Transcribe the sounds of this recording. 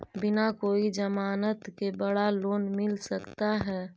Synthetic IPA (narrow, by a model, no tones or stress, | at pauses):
bɪnakoːid͡ʒəmaːnət̪kebəɽaloːnmɪlsəkt̪aɦɛː